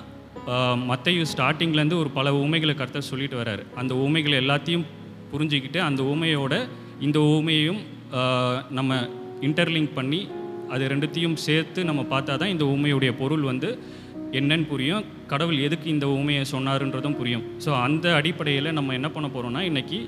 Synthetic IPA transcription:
mɐt̪ːɐjʋɯsʈaːɾʈːɪŋɡlɾɐnd̪ɯɔɾɯpɐlɐuːmɐɪɣɐɭkɐɾt̪ːɐsɔlːɪʈːɯʋɐɾa̰ːɾɯɐnd̪ɐuːmɐɪɣɐɭɛlːaːt̪ːɪjɯ̃m | pʊɾɪɲd͡ʒɪkːɪʈːɯɐnd̪ɐuːmɐjoːɽɐ | ɪnd̪ɐuːmɐjɐjɯm | nɐmːɐ | ɪɳʈɐɾlɪŋɡpɐɳːiɐðɯɾɛɳɖɯt̪ːɪjɯmseːɾt̪ːɯnɐmːɐpaːɾt̪aːt̪ãːɪnd̪ɐuːmɐjɯɽɐjɐpɔɾɯɭʋɐnd̪ɯ | ɛnːɛnːpʊɾɪjʊ̃ | kɐɽɐʋɯlɛðɯkːɯɪnd̪ɐuːmɐjɐsɔnːaːɾɛnrɾɐðɯ̃mpʊɾɪjɯ̃msoːɐnd̪ɐɐɽɪpːɐɽɐjɪlɐnɐmːɐɛnːɐpɐɳːɐpoːɾõːnːaːɛnːɐkːi

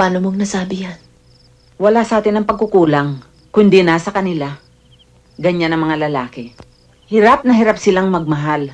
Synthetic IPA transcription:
aːnomoŋnɐsaːbɪjan | wɐlaːsʔaːt̪ɪnɐŋpɐɡ̚kʊkuːlaŋ | kʊnd̪ɪnasɐkɐnɪla | ɡɐɲanʔɐŋmɐŋalɐlaːkɪ | hɪɾap̚nɐɦɪɾapsɪlaŋmɐɡ̚mɐɦal

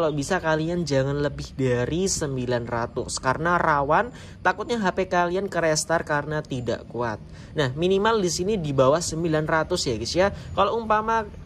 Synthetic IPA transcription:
kalabisakaliand͡ʒaŋanləbɪhdaɾisəmbilanra̰t̪ʊ̰skarənarawan | t̪akʊt̪̚ɲaɦapekaliankəɾɛst̪arkarənat̪ida̰ʔkua̰t̪̚ | nahminimaldisinidibawahsəmbilanrat̪ʊsjaɡisiakaloumpama

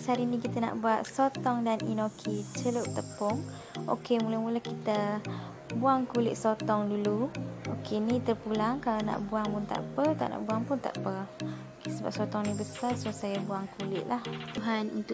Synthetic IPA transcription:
saɾinikit̪ana̰ʔbuat̪̚sot̪ɔŋdaninokʰit͡ʃələp̚t̪əpɔŋ | ʔo̰kemuləmuləkit̪ə | buaŋkulɪ̰ʔ̪̚sot̪ɔŋduluokʰenit̪ərpulaŋkalana̰ʔbuaŋpʊnt̪a̰ʔpət̪a̰ʔna̰ʔbuaŋpʊnt̪a̰ʔpəokesəbap̚sɔt̪ɔŋnibəsarsosajabuaŋkulɪʔlahuɦanṵnt̪ʊ

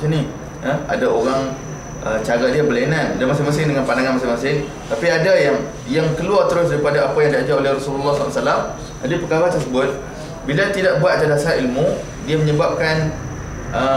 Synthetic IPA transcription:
sini | əa̰daoɾaŋ | ət͡ʃaɡadiabəlananadamasɪŋmasɪŋdəŋanpandaŋanmasɪŋmasɪŋ | t̪apiadajaŋ | jaŋkəluart̪əɾʊs̬daɾipadaapajaŋdiad͡ʒaolehrɔsululːahslsalam | adipəkaɾat̪ərsəbʊt̪̚ | bilat̪idaʔ̚buat̪̚t̪adasaɦailmu | diaməɲəbap̚kan | ʔə

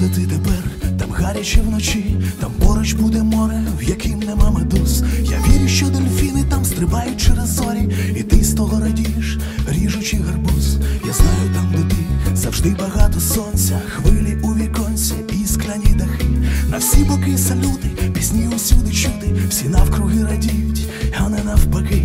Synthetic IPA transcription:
d̪ɛt̪ɪd̪ɛbɛrt̪amɣaɾʲɐt͡ʃʲɛwnɔt͡ʃit̪ampɔɾɔt͡ʃbud̪ɛmɔɾɛwjɐkɪmnɛmamɛd̪usja̰ʋʲiɾʲʊʃt͡ʃɔd̪ɔlʲfʲinɪt̪amst̪ɾɪbajʊt̚ʲt͡ʃɛɾɐzːɔɾʲiit̪ɪst̪ɔɦɔɾɐdʲiʃ | ɾʲiʒʊt͡ʃiɣɐrbusjaznajʊt̪amd̪ɛt̪ɪzɐwʐd̪ɪbɐɣat̪ɔsɔnsʲɐxʋɪlʲɪuʋʲikɔnsʲɛisklʲɐnʲid̪ɐxɪnɐwsʲibɐkɪsɐlʲut̪ɪpʲizʲnʲiʊsʲud̪ɪt͡ʃud̪ɪwsʲinawkɾʊɣɪɾɐdʲijtʲ | anɛnawbɐkɪ

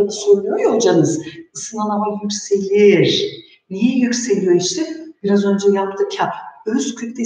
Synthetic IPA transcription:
ad̪ɯ̥soɾulˠujojod͡ʒanɯzɯsɯnanˠamajycʲse̞lʲiɾ | nijɛjycʲse̞lʲijo̞iʃt̪ʰɛb̥iɾazø̞nd͡ʒɛjapt̪ʰɯmcʰaøzkʲʰyt̪t̪ʲɛ

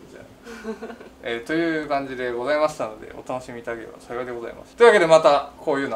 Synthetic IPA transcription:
d͡ʑa̰ː | et̪o̞jɯ̟ːkãɲ̟d͡ʑid̪e̞ɡo̞zaimaɕi̥t̪ano̞d̪e̞̰o̞̰t̪ano̞ɕimʲiːt̪ad̪akeḛba̰saɡʲiad̪eɡo̞za̰ḭmʔa̰sɨ̥t̪oi̟βake̞d̪emat̪ako̞ːjɯ̟ːno

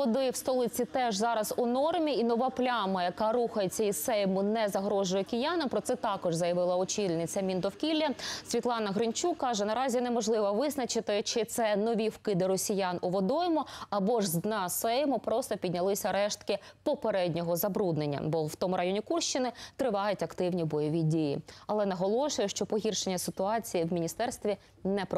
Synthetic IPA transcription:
ɔd̪ɪwst̪ɔlˠɪt͡sʲit̪ɛʒzɑɾɐzʊnɔrmʲiinɔʋɑplʲamɐjɐkɑɾuxɐjet͡sʲːɐisɛjmʊnɛzɐɦɾɔʒʊjɛkʲɪjanɐmpɾɔt̪sɛt̪ɑkɔʒzɐjɐʋɪlˠɐɔt͡ʃilʲnɪt͡sʲːɐmʲind̪ɔwkʲilʲːɐsʲʋʲit̪lˠɑnɐɦɾɪnt͡ʃukːɑʒɛnɐɾɑzʲinɛmɔʒlˠɪʋɐʋɪznɐt͡ʃɪt̪ɪt͡ʃɪt̪sɛnɔʋʲiwkɪd̪ɪɾɔsʲijanʊʋɔd̪ɔjɔmʊɐbɔʒznɐsɛjmʊpɾɔst̪ɔpʲid̪ʲnʲɐlˠɪsʲɐɾɛʃt̪kɪpɔpeɾɛdʲnʲɔɦɔzɐbɾud̪nenʲːɐ̰bɔwt̪ɔmʊɾʔɐjɔnʲikurʃt͡ʃɪnɪt̪ɾɪʋɑjʊtʲɐkt̪ɪwnʲibɔjɔʋʲidʲijḭɐlˠɛnɐɦɔlˠɔʃʊjɛʃt͡ʃɔpɔɦʲirʃenʲːɐsɪt̪ʊɑt͡sʲijiwmʲinʲist̪ɛrst̪ʋʲi | nɛpɾɔ

